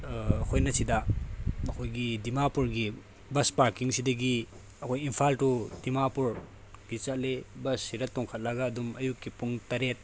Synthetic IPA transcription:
kʰojnɐsidɐɐkʰojɡidimapuɾɡi | bɐspaɾkiŋsidɐɡi | ɐkʰojimpʰaltudimapuɾ | ɡit͡ʃɐt̚lebɐsːiɾɐtɔŋkʰɐt̚lɐɡɐːdumɐjukːipuŋtɐɾet̚

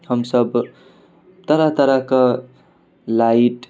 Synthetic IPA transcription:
hʌmsʌb | t̪ʌɾat̪ʌɾakʌ | laiʈ

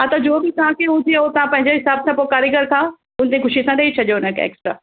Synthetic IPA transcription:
ɦãt̪ɐd͡ʑoːbit̪ɐʋ̤ãkeʊ̃d͡ʒ̪iot̪ɐʋ̤ãpɐ̃ɦɪ̃ɲd͡ʑeɦɪsaːbsãpokaːɾjəɡəɾkʰãː | ʊnt̪ekʊʃisãɗɐit͡ʃʰɐʄonə̃kʰḛḛːksʈɾa̰ː

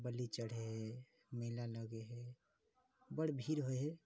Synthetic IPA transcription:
bəlit͡ʃəɽ̤eɦɛ | məlaləɡeɦɛ | bəɽ̤bʱiɾɦoeɦe

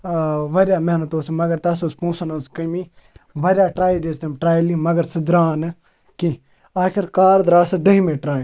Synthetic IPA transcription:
ʋɐɾʲjaːmeɦnɐt̪oːsimɐɡɐɾt̪ɐsospũːsɐnɐskɐmi | ʋɐɾʲjaːʈɾaːid̪eːst̪emʈɾaːjilimɐɡəɾsɨd̪ɾaːnɨ | kĩ | aːkʰiɾkaːɾd̪ɾaːsɐd̪ɐɦĩmeʈɾaː

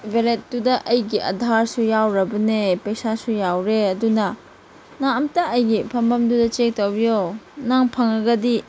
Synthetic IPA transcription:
bʱelet̚dudɐʔɐjɡiʔɐ̰dʱaɾsujawɾɐbɐnepɐjsasujawɾeɐdunɐ | naɐmtɐʔɐjɡipʰɐmbɐmdudɐt͡ʃek̚towbijonaŋpʰɐŋɐɡɐdi

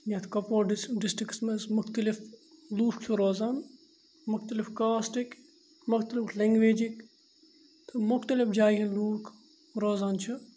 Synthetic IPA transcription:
net̪ʰkɐpoːɖɖɪsʈɾɪksmɐsmʊxt̪əlɪfluːft͡ʃʰuɾoːzaːn | mʊxt̪əlɪfkaːsʈɪk | mʊxt̪əlɪflɐŋɡʋeːd͡ʒɪk | t̪ʰɨmʊxt̪əlɪfd͡ʒaːɦiluːk | ɾoːzaːnt͡ʃʰɨ

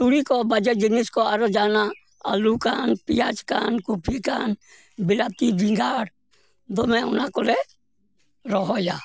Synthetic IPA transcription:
t̪uɽikobəd͡ʒɛd͡ʒɪniskoaɾɔd͡ʒaːna | əlukanpɪjaːt͡ʃka̰nkupʰikan | bɪlat̪ibʱiŋɡaːɽ | d̪omɛ̃ʊnakole | ɾɔɦɔjaː

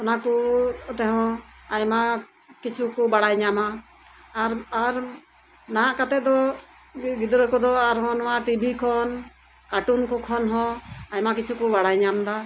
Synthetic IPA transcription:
ɔnakut̪ɛɦɔ̃ajma | kit͡ʃʰukɔbaɽajɲamaː | ɾaɾ | naɦãʔkat̪ɛd̪ɔ | ɡid̪ɾɔkɔd̪ɔaɾɦɔnmaʈibʱikʰɔn | kaʈunkɔkʰɔnɦɔ̃ajmakit͡ʃʰukɔbaɽajɲamd̪a

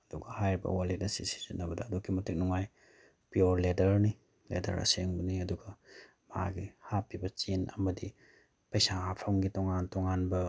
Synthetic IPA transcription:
ɐd̥uɡɐhajɾibɐ̰walet̚nɐsisi̥zinːɐbɐdɐːdokʰːimɐtik̚nuŋaj | pioɾledɐɾni | lḛdɐ̰ɾa̰seŋbɐniɐduɡɐ | ma̰ɡihapːibɐt͡ʃinɐmɐdi | pɐjsahapʰawŋɡitoŋantoŋanbɐ

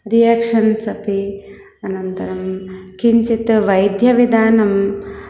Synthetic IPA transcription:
ɾijaːkʂɐnsɐpi | ɐnɐnt̪ɐɾɐmkiɲt͡ʃit̪ʋɐjd̪ʱjɐʋid̪aːnɐm

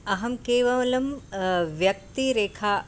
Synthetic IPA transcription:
ɐɦɐmkeːʋɐʋɐlɐmʋjɐk̚t̪iɾeːkʰa

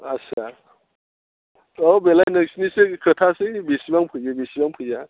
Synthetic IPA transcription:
asʰa | ɔbelajnɯksnisekʰɯtʰasebesibaŋpʰɯjɯbesibaŋpʰɯjza

